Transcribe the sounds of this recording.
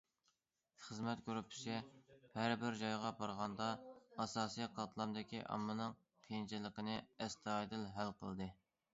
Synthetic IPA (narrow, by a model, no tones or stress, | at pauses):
χəzmɛt̪kʲʰøɾypʰɪ̥ʃɛhæɾbɪɾd͡ʒɑjʁɑbɑɾʁɑnd̪ɑɑsɑːsijqʰɑt̪lˠɑmd̪ɪkʲʰiʔɑ̰mːɨnɨŋ | qʰent͡ʃʰɪləqənɨɛst̪ɑɑd̪ɨlɦælqʰə̰lˠd̪ɨ